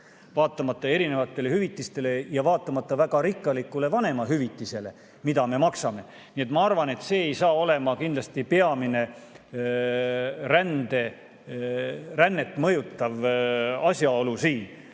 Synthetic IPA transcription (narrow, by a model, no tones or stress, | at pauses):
vɑːt̪ːˑɑmɑt̪ːˑɑe̞ɾine̞vɑt̪ːˑe̞le̞hyvit̪ːˑist̪e̞le̞jɑvɑːt̪ːˑɑmɑt̪ˑːɑvæɡ̥ɑɾikːˑɑlikːˑule̞vɑnemɑɦyvit̪ːˑise̞le̞ | mid̪ɑme̞mɑksɑme̞ | nie̞t̪mɑɑrvɑne̞t̪se̞ːejsɑːo̞le̞mɑkind̪lɑst̪ipeɑmine̞ | ɾænd̪̥e̞ | rænːe̞t̪ːˑmɤjut̪ːɑvɑsʲjɑo̞lusiːn